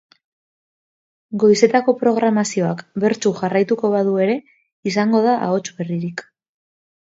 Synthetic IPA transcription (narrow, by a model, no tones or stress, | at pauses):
ɡo̞jse̞t̪ako̞pɾo̞ɣ̞ɾamasio̞akbe̞ɾt͡ʃuʝarajt̪uko̞βað̞ue̞ɾe̞ | isaŋɡo̞ð̞aʔa̰o̞t͡ʃβe̞riɾik